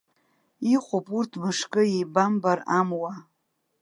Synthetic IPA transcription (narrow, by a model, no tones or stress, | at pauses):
iχʷʼopʼurtʰmɨʂkʼɨejbambaɾamwa